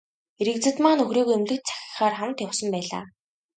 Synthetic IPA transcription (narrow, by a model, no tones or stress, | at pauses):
eɾɘ̆kt͡sɘ̆t̪maːnɵxroːɣoːemɮɘ̆t̪̚t͡sḁxʲɪ̥̆χaːrχawmt̪jawsə̆mpæːɮa̰ː